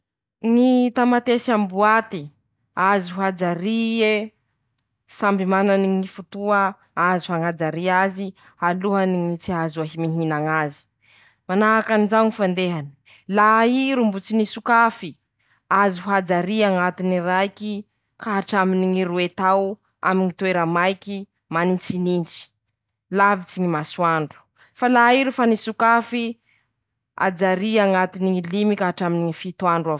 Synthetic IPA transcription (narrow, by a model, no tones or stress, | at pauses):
ŋit̪amat̪esambuat̪i | aziɦuad͡zaɾie | sambimananiŋifut̪uə | aziɦaŋad͡zaɾiazi | aluɦaniŋit͡siazuaɦimiɦinaŋazi̥ | manaɦakanizaɲifand̪eɦani̥ | laiɾumbut͡sinisukafi | aziɦuad͡zaɾiaŋat̪inirajki | kaɦaʈ͡ʂaminiŋiɾuet̪aw | a̰miɲit̪weɾəmajki | manit͡sinint͡si̥ | lavit͡siɲimasuaɳɖ͡ʐu̥ | falaiɾufanisukafi | a̰d͡zaɾiaŋat̪iniŋilimikaaʈ͡ʂaminiɲifit̪uaɳɖ͡ʐa